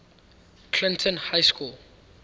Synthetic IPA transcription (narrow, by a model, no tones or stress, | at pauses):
kʰlɪ̃ntʰɔ̃nhajskul